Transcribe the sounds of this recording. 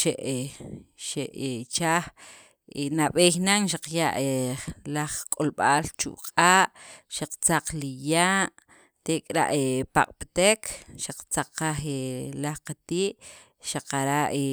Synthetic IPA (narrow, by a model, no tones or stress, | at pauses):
ʃeʔeʃeʔet͡ʃaːχ | enaɓeːxnaŋʃaqjaʔelaχkʼolɓalt͡ʃṵʔqʼaːʔʃaq͡χt͡saq͡χlijaːʔ | t̪ekʼɾa̰ʔepa̰qʼpt̪ekʰʃaq͡χt͡saq͡χqaxelaχqat̪iːʔ | ʃaqaɾaʔe